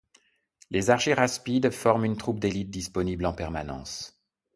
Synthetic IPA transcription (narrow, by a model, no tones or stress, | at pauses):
lezaʁʒiʁaspid̪fɔʁmynt̪χup̚d̪elit̪̚d̪ispɔniblɑ̃pɛʁmanɑ̰̃s